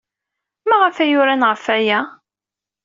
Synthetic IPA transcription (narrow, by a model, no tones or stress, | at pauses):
mæʁəfæjʊɾænʁəfæjæ